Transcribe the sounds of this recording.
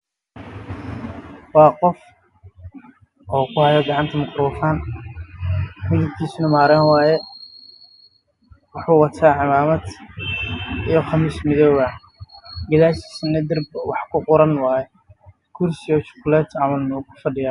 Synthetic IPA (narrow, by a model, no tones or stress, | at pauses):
wɑːqɔf | ʔɔːkʰʊhɐjɔɡɑʕɑnt̪ʰɐmɐkɾɔfaːn | mɪðʊb̚kʰiːsnɐmaːɾanwaːjɛ | wɑħuːwɑt̪ʰaːʕɪmaːmɐd̪ | ijɔχɑmiʃmɪðɔːwɐ | ɡɐðaːʃi̥ːsnɐd̪ɪrbwɑħkʰʊqʊɾɐnwɑːjɛ | kʰʊrsɪjɔt͡ʃʊ̥qlɛːt̪ʰʕɑmɐlnɔkʰʊ̥fɐɖɪjaː